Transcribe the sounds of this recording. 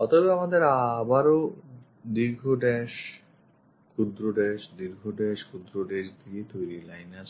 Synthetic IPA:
ɔt̪ʰɔbeamad̪eɾabaɾo | d̪iɾɡʱoɖɛʃ | kud̪ɾoɖɛʃd̪iɾɡʱoɖɛʃkud̪ɾoɖɛʃd̪iet̪ojɾilajnasʰ

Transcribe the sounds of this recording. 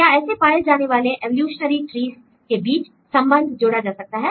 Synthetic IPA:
kjaːɛːsepaːjed͡ʒaːneʋaːleʔɛʋəljuːʃnəɾiʈɾiːz | kebiːt͡ʃ | sɐ̃mbə̃nd̪ʱd͡ʒoːɽad͡ʒaːsɐk̚t̪aɦɛː

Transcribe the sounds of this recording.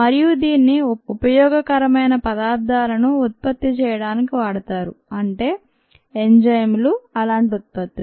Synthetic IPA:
mɐɾijud̪iːnːiupɐjɔːɡɐkɐɾɐmɐjnɐpɐd̪aːɾd̪aːlɐnuːt̪̚pɐt̪ːit͡ʃɛːjɐɽaːnikiʋaːɽɐt̪aːɾuɐɳʈe̞ː | eɲd͡ʒɐjmluɐlaːɳʈiut̪̚pɐt̪ːi

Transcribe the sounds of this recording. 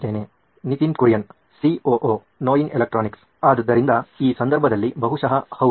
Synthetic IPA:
t̪eːne | nit̪inkuɾijɐn | sioːʔoː | noːjinelɐk̚ʈɾaːniks | aːd̪ɐd̪ːɐɾind̪ɐiːsɐnd̪ɐɾbʱɐd̪ɐlːibɐɦuʂɐɦɐhɐ

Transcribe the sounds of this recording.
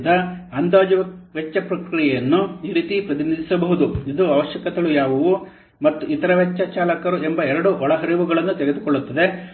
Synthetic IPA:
d̪ɐɐnd̪aːd͡ʒɐʋɐʋɛt͡ʃːɐpɾɐkɾijɛjɐnːuiɾit̪ipɾɐt̪inid̪ʱisɐbɐɦud̪uid̪uɐʋɐʃjɐkɐd̪ɐɭujaːʋɐʋu | mɐt̪ːuʔit̪ɐɾɐʋɛt͡ʃːɐt͡ʃaːlɐkɐɾuembɐɛɾɐɽuʔɔɭɐɦɐɾiʋuɡɐɭɐnːut̪eɡe̞d̪ukɔɭːut̪ːɐd̪e̞

